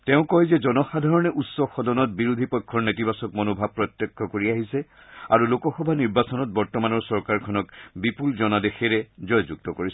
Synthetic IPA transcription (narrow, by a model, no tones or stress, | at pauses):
tɛʊ̃kɔjzɛzɔnɔxadʱaɹɔnɛʔutsɔxɔdɔnɔt̚biɹudʱipɔjkʰːɔɹnetibasɔk̚mɔnobʱab̚pːɹɔtːɔkʰːɔkoɹiaɦisɛ | a̰ɹulokɔxɔbʱaniɹbasɔnɔt̚bɔɹtɔmanɔɹsɔɹkaɹkʰɔnɔkbipulzɔnadexeɹɛzɔjzuk̚tɔkoɹisɔ